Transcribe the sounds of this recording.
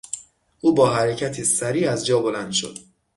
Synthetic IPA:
uːbɒːɦæɾecʰæt̪ʰiːsæɾiːæzd͡ʒɒːbo̞lænd̪̥ʃo̞̰d̪̥

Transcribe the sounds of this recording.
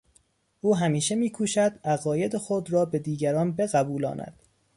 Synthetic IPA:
ʔuːɦæmiːʃe̞miːkʰuːʃæd̪æɣɒːje̞d̪exod̪ɾɒːbe̞d̪iːɟæɾɒːnbe̞ɣæbuːlɒ̰ːnʔæ̰d̪̥

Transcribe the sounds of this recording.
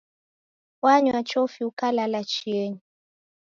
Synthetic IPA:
waɲwat͡ʃɔfiukalalat͡ʃiɛɲi

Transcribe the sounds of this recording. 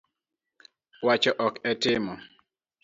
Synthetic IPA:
wat͡ʃɔʔɔkɛtɪmɔ

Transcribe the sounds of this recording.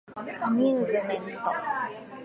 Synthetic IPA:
mizemɛnt̪ɔ

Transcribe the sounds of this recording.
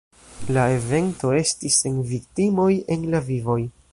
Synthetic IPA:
lae̞ve̞nto̞e̞stise̞nviktimo̞je̞nlavivo̞j

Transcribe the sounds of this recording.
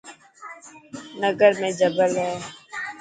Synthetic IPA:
nəɡəɾmẽːd͡ʒəbəlɦɛː

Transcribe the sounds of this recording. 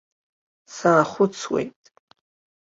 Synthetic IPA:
saːχʷʊt͡sʰwḛjtʼ

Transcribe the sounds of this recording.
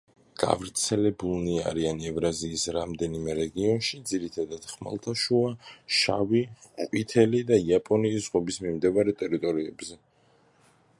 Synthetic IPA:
ɡ̥a̰vɾt̪sʰɛlɛbulˠnia̰ɾianɛvɾaziːsɾamd̪ɛnimɛɾɛɡiɔnʃid̪ziɾit̪ʰad̪ad̪̥χma̰lˠt̪ʰaʃuaʃaviqʼwit̪ʰɛlid̪aiapʼɔniːszʁɔbismimd̪ɛvaɾɛt̪ʼɛɾit̪ʼɔɾiɛbzɛ

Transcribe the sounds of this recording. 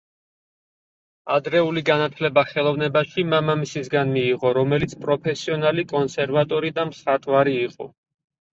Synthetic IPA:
ad̪ɾɛuliɡanat̪ʰlɛbaχɛlˠɔvnɛbaʃimamamisisɡanmiːʁɔɾɔmɛlit̪sʰpʼɾɔpʰɛsiɔnalikʼɔnsɛɾvat̪ʼɔɾid̪amsat̪ʼvaɾiːqʼɔ̰

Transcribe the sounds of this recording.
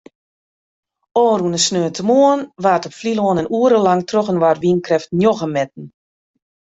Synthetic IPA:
ɔːɾunəsnøːntʰəmoənʋaːtɔpfliloənənuəɾəlaŋtroɣənʋarʋinkrɛftnjoɣəmɛt̚n̩

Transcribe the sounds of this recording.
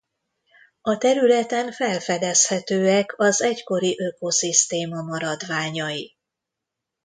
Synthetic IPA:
ɒt̪ɛɾylɛt̪ɛɱfɛlfɛd̪ɛshɛt̪øːɛkɒzɛcko̞ɾiʔøko̞sist̪eːmɒmɒɾɒd̪ʋaːɲɒji

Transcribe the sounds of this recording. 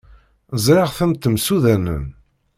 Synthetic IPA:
zˤɾɪʁθəmt̪ːmsuðænə̰n

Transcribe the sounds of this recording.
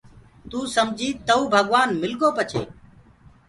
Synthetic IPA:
t̪uːsəmd͡ʒʱiːt̪əuːbʱəɠʋaːnmɪlɠoːpət͡ʃʰḛː

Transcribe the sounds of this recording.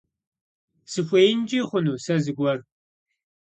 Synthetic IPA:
sɨxʷeːjnd͡ʒiːχʷʊnuːsɐzɨɡʷɔr

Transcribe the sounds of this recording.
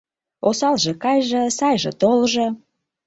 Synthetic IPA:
osɑlʒĕkɑjʒə̆sɑjʒɤ̰t̪olʒɤ̆

